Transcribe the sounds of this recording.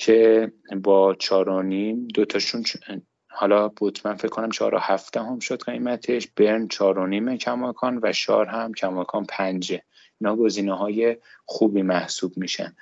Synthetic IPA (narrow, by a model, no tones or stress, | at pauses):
cʰe̞ | bɒːt͡ʃʰɒːɾonimd̪ot̪ʰɒʃun | hɒːlɒbot̪ʰmænfecʰːonæmt͡ʃʰɒ̰ɾo̰hæfd̪̥æɦo̞mʃod̪ɢejmæt̪ʰe̞ʃb̥e̞ɾnt͡ʃʰɒːɾoniːmecʰæmɒːkʰɒːnvæʃɒ̰ːɾɦæmcʰæmɒːkʰɒːnpʰænd͡ʒe | inhɒːɡo̞ziːneɦɒːje̞xuːbiːmæhsuːbmiːʃæ̰n